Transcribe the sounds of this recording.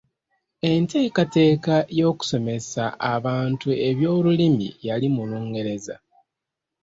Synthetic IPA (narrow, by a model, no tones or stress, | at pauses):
e̞nte̞ːkate̞ːkajo̞ːku̥so̞me̞saʔaβaːntue̞βjo̞ːlulimḭjalimuluːŋɡe̞ɾe̞za̰